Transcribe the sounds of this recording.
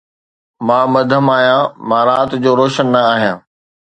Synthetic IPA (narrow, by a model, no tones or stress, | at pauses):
mãːmɐd̪ʱəmaːɦijãmãːɾaːt̪d͡ʑoːɾoːʃənːɐaːɦijãː